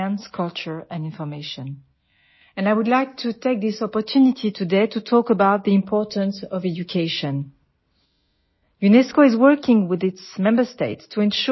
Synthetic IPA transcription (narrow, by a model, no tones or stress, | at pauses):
ə̃nskʰʌlˠt͡ʃə˞ɛ̃nɪ̃nfɔ˞meɪʃə̃n | ɛ̃naɪwudlaɪk̚tʰutʰeɪk̚ðɪsɔpɔ˞tʰunitʰitʰudeɪtʰutʰɔkəbaʊt̪̚ðiɪ̃mpʰɔɹtə̃nsɔvɛd͡ʒukʰeɪʃɔ̃n | junɛskoɪzwɜ˞kɪ̃ŋwɪðɪtsmɛ̃mbə˞steɪtstʰuɛ̃nʃ